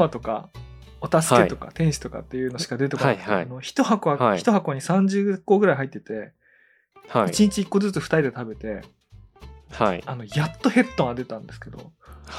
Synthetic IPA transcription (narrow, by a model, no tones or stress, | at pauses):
mat̪o̞ka̰ | ot̪asɨ̥ke̞t̪o̞ka̰t̪ẽ̞ɰ̃ɕi̥t̪o̞ka̰t̪ːe̞jɯ̟ːno̞ɕi̥kad̪e̞t̪ekoano̞çi̥t̪o̞hakoai̥t̪o̞ɦako̞ːɲ̟isãɲ̟d͡ʑɨːko̞ːɡɯ̟ɾaiɦait̪ːet̪e̞ | hait͡ɕiɲ̟it͡ɕiːkːo̞zɨt͡sɨɸɯ̥t̪aɾʲid̪et̪abe̞t̪e̞ | haiano̞jat̪ːo̞he̞t̪ːõɰ̃ad̪e̞t̪ãnd̪e̞sɨ̥ke̞d̪o̞̰